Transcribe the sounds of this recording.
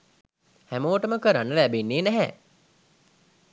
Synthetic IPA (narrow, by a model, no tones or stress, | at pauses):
hæməəʈəməkəɾanːəlæbenːeːnæɦæ